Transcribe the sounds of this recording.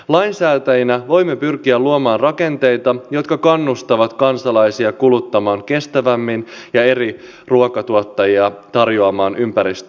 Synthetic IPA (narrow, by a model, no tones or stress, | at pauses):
lɑjnsæːt̪æjinæʋo̞jmːe̞pyrkiæluomɑːnrɑke̞nt̪e̞jt̪ɑjo̞t̪kɑkɑnːust̪ɑʋɑt̪kɑnsɑlɑjsiɑkulut̪ːɑmɑːŋke̞st̪æʋæmːinjɑe̞ɾi | ruokɑt̪uot̪ːɑjiɑt̪ɑrjoɑmɑːnʔympæɾist̪